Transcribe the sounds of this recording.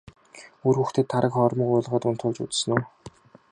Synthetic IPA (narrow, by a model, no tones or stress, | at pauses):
uruxt̪ʰĕːt̪ʰːaɾə̆kχɔɾmə̆kʊːɮʁaːt̪ʊnt̪ʰʊɮt͡ɕṵt͡ss̆noː